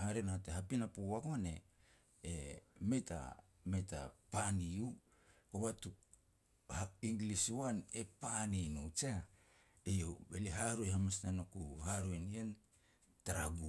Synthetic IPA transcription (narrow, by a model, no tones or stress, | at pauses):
haɾenateɦapinapowakone̞̰ | eme̞ta̰ | meta̰paniu | koβatu | haiŋɡliswanepaninut͡ʃa | ejobeliɦaɾuehamasnanokuhaɾuenien | taɾaɡu